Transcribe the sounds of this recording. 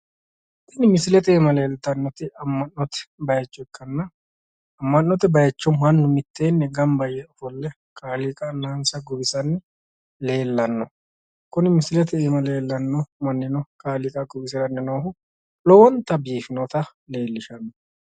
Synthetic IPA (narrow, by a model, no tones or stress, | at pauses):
kːɪnɪmɪsɪlɛt̪eːmɐle̞ːlt̪ɐnːɔt̪ɪɐmːɐnnːɔt̪ɛ̥bɐjɐt͡ʃːɔɛkːɐnːɐ | ɐmːɐnːɔt̪ɛbɐjɐt͡ʃːɔmɐnːʊmɪt̪ːeːnːɛɡɐmbɐjɛɔfɔlːɛ | kʰʼaːlikʼɐnaːnsɐɡʊbɪsɐnːɪ | le̞ːlːɐnːɔ | kʊnɪmɪsɪlɛt̪ɛeːmɐle̞ːlːɐnːɔmɐnːɪnɔkʼaːlikʼɐɡʊbɪsɪɾɐnːɪnoːhʊ | lɔwɔnt̪ɐbiːfɪnɔt̪ɐle̞ːlːɪʃɐnːɔ